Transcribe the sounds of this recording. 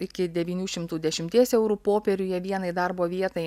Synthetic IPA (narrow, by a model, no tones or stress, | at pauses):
ɪkʲɪd̪ʲɛʋʲiːnʲuːʃʲɪmt̪uːd̪ʲɛʃʲɪmʲt̪ʲiɛsɛʊɾuːpoːpʲɛɾʲʊjɛʋʲiɛnɐɪd̪ɐrboːʋʲiɛt̪ɐɪ